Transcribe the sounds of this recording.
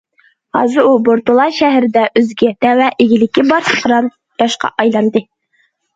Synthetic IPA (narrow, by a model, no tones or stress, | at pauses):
hɑ̰zɨɾuboɾt̪ulˠɑʃæɦɾɪd̪ɛʔøzɡʲɪd̪̥ɛwɛʔɪɡʲɪlɪkʲːibɑɾsə̥χɾɑn | j̪̥ɑʃqɑ̰ʔɑjlˠɑnd̪ɨ